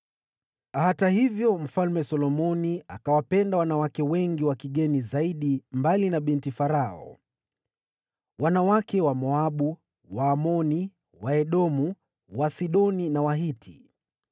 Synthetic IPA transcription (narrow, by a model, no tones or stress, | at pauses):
ahatahivjɔm̩falmɛsɔlɔmɔniakawapɛndawanawakɛwɛŋɡiwakiɠɛnizaiɗimbalinaɓintifaɾaɔ̰ | wanawakɛwamɔaɓu | waːmɔni | waɛɗɔmu | wasiɗɔninawaɦitʰḭ